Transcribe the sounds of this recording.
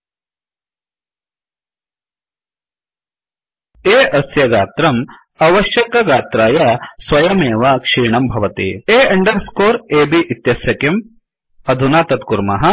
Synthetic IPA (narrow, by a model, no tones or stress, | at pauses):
eːʔɐsjɐɡaːt̪ɾɐm | ɐʋɐʃjɐkɐɡaːt̪ɾaːjɐsʋɐjɐmeːʋakʂiːɳɐmbʱɐʋɐt̪ḭeːɐɳɖɐɾskoːɾeːbiʔit̪jɐsjɐkjɐm | ɐd̪ʱunaːt̪ɐt̪kuɾmɐɦɐ